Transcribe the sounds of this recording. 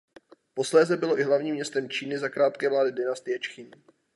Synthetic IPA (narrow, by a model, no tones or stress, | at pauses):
po̞slɛːzɛbɪlo̞ʔɪɦlavɲiːmɲɛst̪ɛmt͡ʃiːnɪzakɾaːt̪kɛːvlaːdɪdɪnast̪ɪjɛt͡ʃxɪɲ